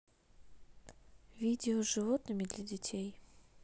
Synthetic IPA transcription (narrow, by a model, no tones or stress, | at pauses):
vʲidʲɪoʐɨvot̪nɨmʲɪd̪lʲɐdʲɪtʲʰej